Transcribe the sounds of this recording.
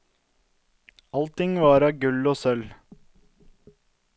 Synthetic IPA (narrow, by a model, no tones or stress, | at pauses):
ɑlt̪ɪŋʋɑːɾɑːɡʉloːsœl